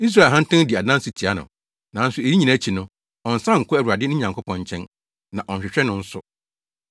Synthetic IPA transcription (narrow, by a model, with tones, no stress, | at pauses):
i˦s̬ɾa˦˨ɦã˦n̩˦tɪ̃˦di˨a˨dã˦n˦sɪ˨tʰi˨a˦nʊ̰̃˨ | nã˨˦n̩˦sʊ˦e˨ji˦ɲĩ˨na˦t͡ɕʰi˨nʊ̃˦ | ɔ˨n̩˨sã˦ŋ̩˨kʰʊ˦æ˨wɾa˨dɪ˦nʊ̃˦ɲã˨ŋkʰʊ˦pʰɔ̃˨ɲ˨t͡ɕʰɛ̃˦n | nã̰˨ʔɔ̃˨ɲɕᶣɪ˨ɕᶣɛ˦nʊ̃˦n̩˦sʊ˦